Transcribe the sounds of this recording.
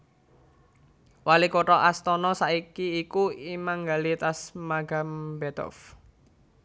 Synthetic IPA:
walikoʈɔʔast̪ɔnɔsaikiːkuimaŋɡalit̪asmaɡa̤mbɛt̪ɔ̰f

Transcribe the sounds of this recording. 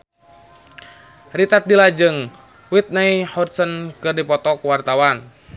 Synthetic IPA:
rit̪at̪̚dilad͡ʒɨŋ | wit̪̚naihɔrsənkɨrdipɔt̪ɔkuwart̪awan

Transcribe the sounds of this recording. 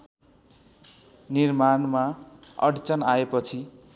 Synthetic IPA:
nirmanmaʌ̰ɽt͡sʌnaepʌt͡sʰi

